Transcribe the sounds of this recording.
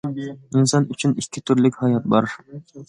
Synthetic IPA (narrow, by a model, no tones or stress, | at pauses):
insɑnyt͡ʃʰynikʲʰːit̪ʰyɾlɪkʲhɑjɑt̪̚bɑɾ